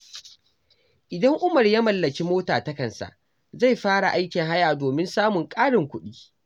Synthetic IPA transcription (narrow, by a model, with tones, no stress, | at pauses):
ʔɪ˨dɐ˦ŋʔʊ˦mɐ˨rja˦mɐ˨lːɐ˨ki˦moː˦taː˨tɐ˦kɐ˨nsa̰˨ʔ | za˦˨jɸaː˦ɽa˨ʔa˦jkʲɪ˨ŋɦa˦jaː˨doː˨mɪ˦nsaː˦mʊ˨ŋkʼaː˦ɽɪ˨ŋkʷʊ˦ɗiː˦